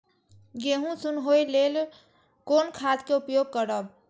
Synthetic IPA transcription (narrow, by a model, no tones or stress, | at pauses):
ɡeɦũsunɦojlel | konkʰat̪keupjoɡ̚kəɾəb